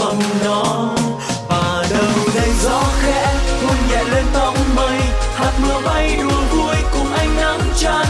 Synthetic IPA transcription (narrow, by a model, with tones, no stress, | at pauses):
ə˨˩ŋ͡mnɔ˨˦ | vaː˨˩ | ɗə˨˩wɗə˨˦jzɔ˧˦xɛ˧˥kə˧nza̰ː˧˨jle˧nt̪ə˧˨wŋ͡mmə˨˩jhaː˨˩t̚nɔ˨˦ma˧˦jɗu˨˩əku˧əjkʊ˨˧˩ŋ͡mʔa˧jŋ̟ʔa˧˥ŋt͡ɕa˧